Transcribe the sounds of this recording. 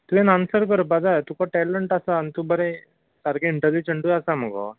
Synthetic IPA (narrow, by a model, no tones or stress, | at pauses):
t̪uẽnansəɾk̬əɾbad͡zat̪ukɔʈɛləɳʈasaːnit̪ubəɾe | səɾɡeiɳʈəlid͡ʑəɳʈuasam̤əɡɔ̰